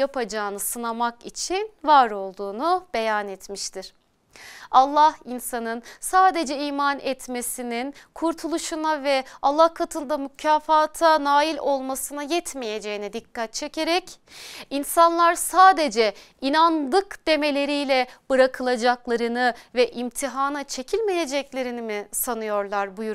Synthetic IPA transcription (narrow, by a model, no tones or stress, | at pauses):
japʰad͡ʒaːnɯsɯnamakit͡ʃʰinvaɾo̞lˠd̪uːnub̥e̞janɛt̪miʃt̪ʰiɾ̥ | alˠːahinsanɯnsaːd̪e̞d͡ʒɛiːmanʔɛt̪me̞sininkʰuɾt̪ʰulˠuʃunavɛalˠːahkʰat̪ʰɯnd̪amycʰaːfaːt̪ʰanaːjilʲo̞lˠmasɯnajɛt̪ʰmeje̞d͡ʒe̞jinid̪ikʰːat̪̚t͡ʃʰe̞cʰe̞ɾɛc | insanlˠaɾsaːd̪e̞d͡ʒɛ | inand̪ɯkd̪̥e̞me̞lʲe̞ɾijlʲɛb̥ɯɾakʰɯlˠad͡ʒaklˠaɾɯnɯvɛʔimt̪ʰiɦaːnat͡ʃʰe̞cʰilʲme̞je̞d͡ʒɛclʲe̞ɾinimisanɯjo̞ɾlˠaɾbujuɾ